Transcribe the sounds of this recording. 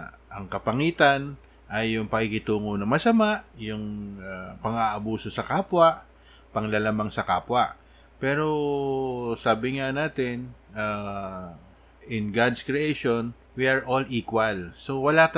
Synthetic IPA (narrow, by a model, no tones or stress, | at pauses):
ʔɐŋkɐpɐŋiːt̪ɐn | ʔɐjːʊŋpɐkɪkɪt̪uːŋonɐmɐsɐmaʔjʊŋapɐŋaʔɐbuːso̞sɐkaːpwɐʔ | pɐŋlɐlamaŋsɐkaːpwɐʔ | pɛːɾo̞ | saːbɪŋanaːt̪ɛna | ʔɪnɡad̪skɹiejʃon | wiʔɐɹʔo̞liːkwɐlso̞wɐlat̪